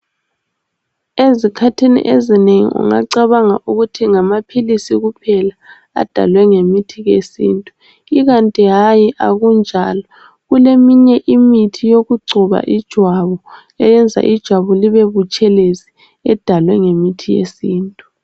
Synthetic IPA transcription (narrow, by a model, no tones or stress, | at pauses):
ezikʰatʰinḭʔezineŋḭṵŋa̰ǀaβaŋa̰ʔuɣutʰiŋamapʰilisiɣupʰɛla | a̰d̥ʱa̰lwɛŋemitʰiɣesḭːntʼu | iɣantʼiɦajiʔa̰ɣund͡ʒʱalɔ | ɣulemiɲɛʔimitʰijoɣuɡ͡ǀʱuβa̰ʔid̥ʒ̥ʱwaβɔ | ɛjɛnd͡zʱa̰ʔid̥ʒ̥ʱwaβɔliβeβut͡ʃʼɛlezi̥ | ɛd̥ʱalwɛŋemitʰijḛsiːntʼu̥